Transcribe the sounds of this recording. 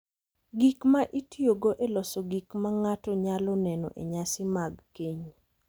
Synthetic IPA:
ɡikmaʔitjoɡoʔelɔsɔɡikmaŋatɔɲalɔnɛnɔ̰ʔḛɲasɪmaɡkeɲ

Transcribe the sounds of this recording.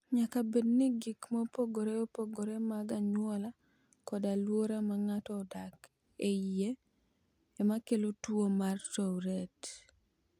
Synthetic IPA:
ɲakabedniɡikmopoɡoɾeopoɡoɾemaɡaɲwɔla | kɔdalwoɾamaŋatɔdak | eje | ɛmakelotwomartowɾɛt

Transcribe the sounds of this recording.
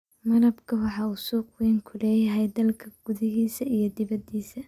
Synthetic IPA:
mɐɾɐbkʰɐwɑħɑːusuːqwɛːŋkʰʊlɛːjɐɦɛjd̪ɐlkʰɐɡ̥ʊðɐɦiːsɐʔijɞd̪ɪβɐd̪iːsɐ

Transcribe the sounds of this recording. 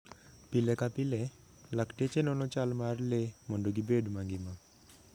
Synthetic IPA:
pilekapile | ləkʈet͡ɕenonot͡ɕalmaɾleməɳɖuɡibeɖmãŋɡima

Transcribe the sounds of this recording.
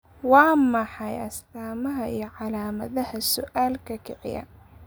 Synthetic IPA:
wɑːmɑħɑjɐst̪aːmɐɦɐʔijɞʕɑlaːmɐ̰ðɐhɐsʊʔaːlkʰɐkʰɪʕɪ̰jɐ̰

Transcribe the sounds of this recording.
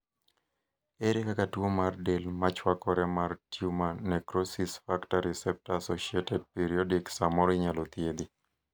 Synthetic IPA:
eɾekakatwomardelmat͡ʃwakɔɾɛmartjumanɛkɾosisfaktaɾɛsɛp̚taːsoʃiɛtɛd̚piɾiɔdiksamɔɾiɲalɔt̪jed̪i

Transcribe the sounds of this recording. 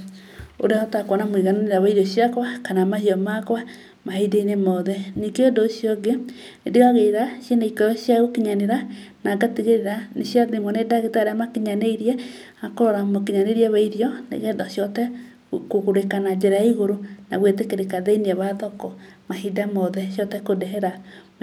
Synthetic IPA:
o̰ɾeɔtakwɔnamiɣananeɾaβaiɾɔɕjakwakanamahiɔmakwa | mahideinemɔðɛnikeondoʃjoɡe | nedeɣaɣeɾasjenaikɔjɔʃjaɣokeɲaneɾanaɡateɣeɾeɾaneʃjaðemɔnedaɣetaɾeamakeɲaneiɾiɛ | akoɾɔɾamokeɲaneɾiɛβaiɾjɔnḛɣɛðaʃjɔtɛ | kokoɾekanad͡ʒɛɾajaiɣoɾonaβwetekeɾekaðeiniɛβaðɔkɔmahidamɔðɛʃjɔtɛkodɛɦɛɾa

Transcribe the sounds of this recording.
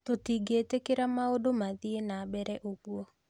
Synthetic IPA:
t̪otiɡetekɪɾamaodomaðienabɛɾɛʔokwo

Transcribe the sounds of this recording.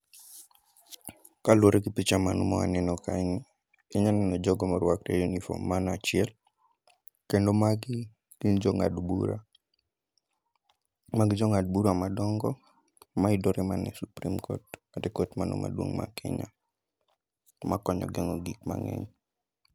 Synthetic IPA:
kalwoɾeɡipit͡ʃamanɔmɔ̰a̰nɛnɔkaŋɪ | ɪɲanɛnɔd͡ʒɔɡɔmaɾwak̚tɛjunifo̰mːanat͡ʃɪɛl | kendomaɡ | ɡ̥ind͡ʒɔŋadbuɾa̰ | maɡd͡ʒɔŋad̚buɾamadɔŋɡɔ | maɪdɔɾɛmanɛsupɾimkʰo̰tmadɛkotmanɔ̰ma̰dwo̰ŋma̰kɪ̰ɲa̰ | makɔɲɔ̰ɡɛŋɔɡikma̰ŋɛ̰ɲ

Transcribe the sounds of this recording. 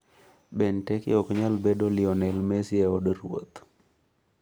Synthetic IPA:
bɛntɛkɪ̰ɔkɲalbedolɪɔnɛlmesɪɛɔdɾwo̰t̪

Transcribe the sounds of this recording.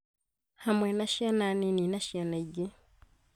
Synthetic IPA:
hamwɛnaʃiananininaʃianaiɟe

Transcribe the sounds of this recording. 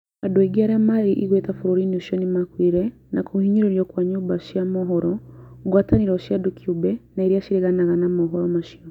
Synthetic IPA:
adueɡiaɾɛamaɾiʔiɣwɛtafuɾuɾiniuʃiɔnimakwiɾɛ | nakʰuhiɲiɾeɾjɔkwaɲuːbaʃiamɔɦɔɾɔɡwataniɾɔʃiadukʰiubɛnaiɾiaʃiɾiɣanaɣanamɔɦɔɾɔmaʃiɔ

